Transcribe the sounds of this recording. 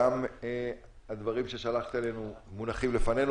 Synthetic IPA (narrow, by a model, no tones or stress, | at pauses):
am | ad̪vaʁimʃe̞ʃalaχt̪ale̞numunaχimlefane̞n